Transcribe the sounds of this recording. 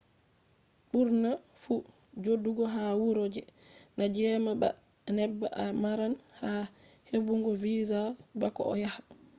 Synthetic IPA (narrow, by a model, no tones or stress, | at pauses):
ɓuɾna | fu | d͡ʒodːuɡɔɦawuɾod͡ʒɛ | nad͡ʒɛmaba̰ | nɛbːaʔamaɾanha | hebuŋɡɔviːzabakɔʔɔ̰jahḁ